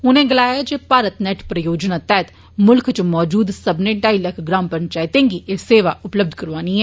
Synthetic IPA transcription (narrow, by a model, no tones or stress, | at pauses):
ʊnẽːɡəlaːjaːd͡ʒeːpaːɾət̪nɛːʈpɾəjoːd͡ʒnaːt̪ɛːt̪ | mʊlkʰt͡ʃmɔːd͡ʒuːd̪səbnẽːɖaːiləkʰɡɾaːmpəɳt͡ʃaːɪt̪ẽːŋɡiːʔeːseːʋaːʔʊpləb̚d̪ʱkəɾʋaːniːɦɛː